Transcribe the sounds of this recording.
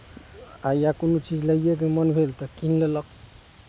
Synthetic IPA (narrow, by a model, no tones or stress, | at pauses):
ajakonot͡ʃid͡ʒləjek̬emənbʱelt̪ɔkinlelək̚